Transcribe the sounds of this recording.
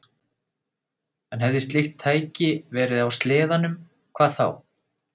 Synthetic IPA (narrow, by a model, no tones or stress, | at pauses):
ɛnɦɛvðɪst̪lɪxt̪ʰːaːjcɪvɛːɾɪðawst̪lɪːðanʏm | kʰv̥aːðθa̰w